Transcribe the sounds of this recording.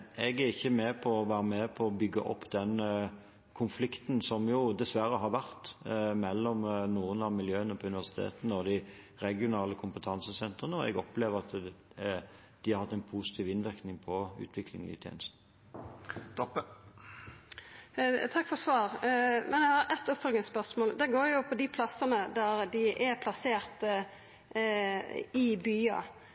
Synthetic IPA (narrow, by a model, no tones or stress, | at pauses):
ɛɡæɾɪçːəmɛːpʰɔɔʋæːɾəmɛpʰɔɔbʏɡːəʔɔ̰pːd̪ɛn | kʰʊnflɪkt̪nsɔmjʊd̪ɛsʋæɾəɦɑɾʋæʁt̪mɛlːɔmnuːənɑʋmɪljøːənəpʰɔʉnɪʋæʁsɪ̥t̪ʰḛːt̪nəɔd̪ɪ | ɾɛɡɪʊnɑːləkʰʊmpət̪ʰɑnsəsɛnt̪ʁənəɔɛ̰ɡɔpleːʋəɾɑt̪ | d̪̥ɪhɑɾhɑt̪ːɛɪnpʰuːsɪ̥t̪ʰiːʋɪnʋɪɾknɪŋpʰɔʉ̰ːt̪ʰʋɪklɪ̰ŋɪ̰t̪ʰjḛːnəst̪n̩ | t̪ɔpː | t̪ʰɑkːfɔsʋɑːɾmɛnjɛhɑɾɛt̪ːʊpfœlɡ̪ɪspœʁsmoːld̪ɛɡoːɾjʊpʰɔd̪ɪpʰlɑsənəd̪æɾd̪ɪʔɛɾpʰlɑseːɾt̪ə | ɪbyːɑ̰